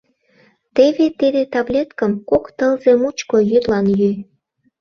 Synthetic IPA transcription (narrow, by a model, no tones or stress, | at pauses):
t̪eβet̪id̪et̪ɑβlʲet̪kəmkokt̪əlzemut͡ɕkojyt̪lɑnjy